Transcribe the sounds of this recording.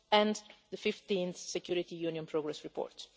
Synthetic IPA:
ɛ̃nd̪d̪əfift̪ĩnθsɛkjuɾit̪ijuːniɔ̃npɾɔɡɾɛsɹipɔ̰ɾt̪

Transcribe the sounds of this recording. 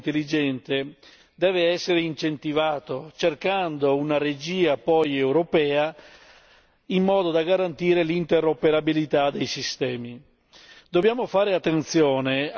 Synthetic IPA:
nt̪elːid͡ʒɛnt̪e | d̪ɛːveɛsːeɾeint͡ʃent̪ivaːt̪ot͡ʃerkand̪ounaɾed͡ʒiːapɔjewɾopɛːa | imːɔːd̪od̪aɡaɾant̪iːɾelint̪eɾopeɾabilit̪ad̪ejsist̪ɛːmi | d̪̥objaːmofaːɾeat̪ːent̪sjɔːne

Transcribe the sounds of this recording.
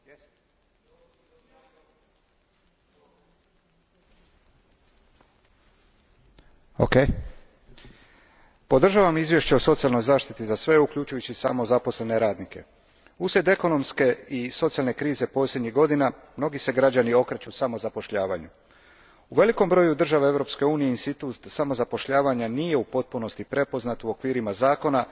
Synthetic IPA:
o̰kej | po̞d̪r̩ʒaʋamizʋje̞ʃt͡ɕeoso̞t̪sialno̞jzaːʃt̪it̪izasʋe̞ukʎut͡ʃujut͡ɕisamo̞zapo̞sle̞ne̞ɾaːd̪nike̞̰ | usjʲe̞t̪e̞ko̞no̞mske̞iso̞t̪sialne̞kɾiːze̞po̞slʲje̞d̪ɲiɣɡo̞d̪inamno̞ɡise̞ɡɾad͡ʑanio̞kɾet͡ɕusamo̞zapo̞ʃʎaːʋa̰ɲu | uʋe̞liko̞mbɾo̞jud̪r̩ʒaʋeevɾo̞pske̞uːnijeinst̪it̪ut̪samo̞zapo̞ʃʎaːʋaɲanije̞upo̞t̪̚puno̞st̪ipɾe̞po̞znat̪uo̞kʋiːɾimazaːko̞na

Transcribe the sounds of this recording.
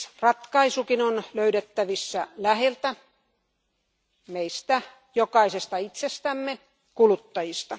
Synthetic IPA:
rɑt̪kɑisukinonløyɾet̪ːæʋisːælæhelt̪æ | meist̪æ | jokɑisest̪ɑit̪sest̪æmːe | kulut̪ːɑjist̪ɑ

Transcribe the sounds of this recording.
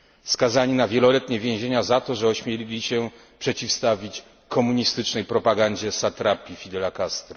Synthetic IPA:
fskazaɲinavʲjɛlɔlɛt̪ɲɛvʲjẽw̃ʑeɲazat̪ɔʐɛɔɕmʲjelʲilʲiɕɛ | pʂɛt͡ɕifst̪avʲit͡ɕ | kʰɔmuɲist̪ɘt͡ʂnɛjpɾɔpaɡaɲd͡ʑɛsat̪ɾapʲifʲid̪ɛlakast̪ɾ

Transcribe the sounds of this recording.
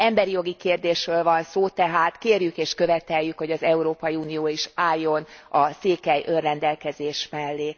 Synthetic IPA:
ɛmbɛɾijo̞ɡikeːrd̪eːʃrøːlvɒnsoːt̪ɛɦaːt̪keːrjykeːʃkø̞vɛt̪ɛjːykho̞ɟɒzɛuɾoːpɒjiuːnioːiʃaːjːo̞nɒseːkɛjʔørːɛnd̪ɛlkɛzeːʃmɛlːeː

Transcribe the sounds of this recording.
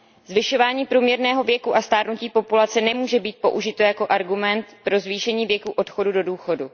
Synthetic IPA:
zvɪʃo̞vaːɲiːpɾuːmɲɛɾnɛːɦo̞vjɛkuʔast̪aːɾnuciːpo̞pulat͡sɛnɛmuːʒɛbiːt̪̚po̞̰ʔuʒɪt̪o̞jako̞ʔaɾɡumɛnt̪pɾo̞zviːʃɛɲiːvjɛkuʔo̞t̪xo̞dudo̞duːxo̞du

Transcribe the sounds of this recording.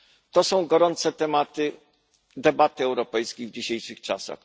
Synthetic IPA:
t̪ɔsɔ̃w̃ɡɔɾɔnt̪sɛt̪ɛmat̪ɘ | d̪ɛbat̪ɘɛwɾɔpɛjskʲejvd͡ʑiɕejʂɨxt͡ʂasa̰x

